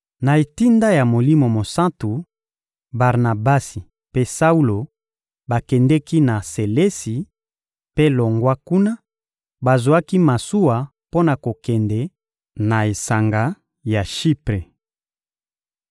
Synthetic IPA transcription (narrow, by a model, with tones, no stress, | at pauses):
na˨e˨ti˦nda˦ja˨mo˨li˦mo˨mo˨sã˦ntu˨ | ba˨ʁna˨ba˦si˨ | pe˦sa˦u˦lo˨ | ba˨kɛ˨ndɛ˦ki˦na˨se˨le˦si˨ | pe˦lo˨ŋɡwa˦ku˦na˦ | ba˨zwa˦ki˦ma˨su˦wa˨ | po˦na˨ko˨kɛ˨ndɛ˨ | na˨e˨sa˨ŋɡa˦ | ja˨ʃi˦pʁe˨